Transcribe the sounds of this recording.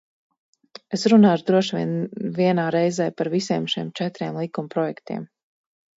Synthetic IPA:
esɾunaːʒd̪ɾuɔʃvḭɛnviɛnaːɾɛjzɛjpaɾvisiːmʃiɛmt͡ʃɛt̪ɾiɛmlˠikumpɾɔjɛkt̪ḭɛm

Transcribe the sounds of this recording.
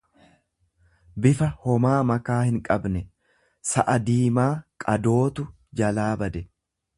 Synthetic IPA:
bɪfɐhɔmaːmɐkaːhɪŋkʼɐbnɛ | sɐʔɐd̪iːmaːkʼɐd̪o̞ːt̪ʊ | d͡ʒɐlaːbɐd̪ɛ

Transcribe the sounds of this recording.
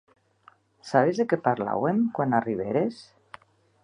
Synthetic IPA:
saβ̞ezðekepaɾla̰wemkwanariβ̞eɾes

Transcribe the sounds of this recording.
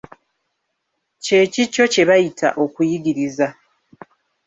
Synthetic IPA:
ce̞ːcicːo̞ce̞βajitʰa̰ʔo̞kujiɡiɾiza

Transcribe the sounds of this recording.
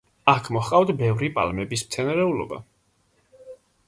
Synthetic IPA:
akʰmɔχqʼawd̪bɛvɾipʼa̰lmɛbismt̪sʰɛnaɾɛulɔ̰ba̰

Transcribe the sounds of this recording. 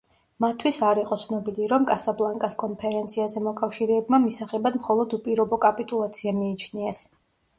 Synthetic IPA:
mat̪ʰwisaɾiqʼɔt̪sʰnɔbiliɾɔmkʼasablˠaŋkʼaskʼɔnpʰɛɾɛnt̪sʰiazɛmɔkʼafʃiɾɛːbmamisaχɛbad̪mχɔlˠɔd̪upʼiɾɔbɔkʼapʼit̪ʼulˠat̪sʰiamiːt͡ʃʰniɛs

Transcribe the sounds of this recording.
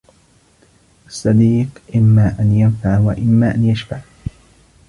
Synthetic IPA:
ʔɑsˤːɑd̪iːqʔɪmːaːʔanjanfaʕwaʔɪmːaːʔanjaʃfaʕ

